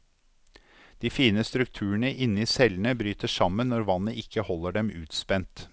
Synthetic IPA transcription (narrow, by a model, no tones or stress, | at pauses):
d̪̥iːfiːnəst̪ɾʉk̚t̪ʰʉːəɳəʔɪnːəiːsɛln̩əbɾyːt̪əʂɑmənːɔɾʋɑnəʔɪkːəhɔlːəɖɛmʉːt̪spɛnt̪